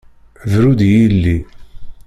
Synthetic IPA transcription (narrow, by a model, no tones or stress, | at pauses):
vɾud̪jilːi